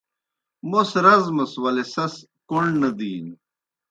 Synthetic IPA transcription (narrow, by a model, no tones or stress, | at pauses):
mosɾɐzmɐswɐlesɐs | koɳnɐd̪iːn